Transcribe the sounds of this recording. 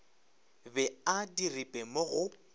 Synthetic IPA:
bɛadiripʼɛmoɣʊ

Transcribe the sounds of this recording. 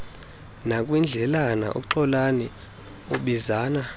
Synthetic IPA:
nakʼwind͡ɮʱɛlana̰ʔo̰kuǃɔlani | oɓizaːna

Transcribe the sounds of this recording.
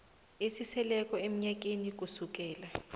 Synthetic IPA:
isisɛlɛk̬ʼɔem̩ɲak̬ʼinik̬usuk̬ʼɛːla

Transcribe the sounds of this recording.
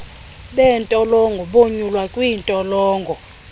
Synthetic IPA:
ɓɛntʼɔlɔŋɡʱɔɓoɲulwakʼwiːntʼɔlɔːŋɡʱɔ

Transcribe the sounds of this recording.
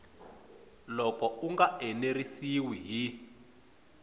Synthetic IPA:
lɔkɔuŋɡaɛnerisiwiɦi

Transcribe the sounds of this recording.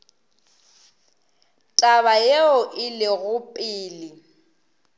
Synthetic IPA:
tʼaβajeʊʔɪlɪɣʊpʼɪːlɪ

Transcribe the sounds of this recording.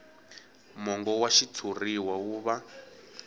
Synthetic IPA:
mɔŋɡɔwaʃit͡sʰuriwawuːβa

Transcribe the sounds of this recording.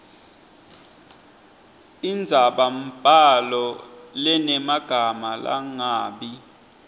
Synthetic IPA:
ind͡zʱaɓam̩b̥ʱalɔlɛnɛmaɡ̥ʱamala̰ŋaːɓi

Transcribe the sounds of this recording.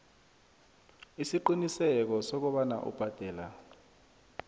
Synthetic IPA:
isiǃinisɛk̬ɔsɔk̬uɓana̰ʔṵb̥ʱad̥ʱɛːla

